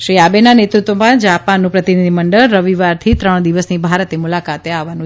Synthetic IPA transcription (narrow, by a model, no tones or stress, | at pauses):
ʃɾiabenanet̪ɾut̪ʋomãd͡ʒapanːũpɾət̪inid̪ʱiməɳɖəɭːəʋiʋaɾt̪ʰit̪ɾəɳ̃d̪iʋəsnibʱaɾt̪emulakat̪eaʋːanũ